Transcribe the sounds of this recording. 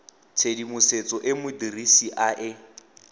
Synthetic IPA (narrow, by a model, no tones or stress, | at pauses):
t͡sʰedimʊset͡sʼɔʔɪmʊdirisiʔaʔɪ